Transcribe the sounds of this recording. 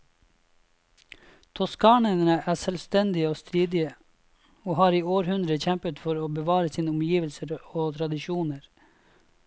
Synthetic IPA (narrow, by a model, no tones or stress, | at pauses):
t̪ʰɔskɑːɳənəʔæːsɛlst̪ɛnd̪ɪəoːst̪ɾiːd̪ɪə | oːhɑːɾiːoːɾhʉnd̪ɾəçɛmpət̪fɔɾoːbəʋɑːɾəsiːnəʊmjiːʋəlsəɾoːt̪ʰɾɑd̪ɪʃuːnəɾ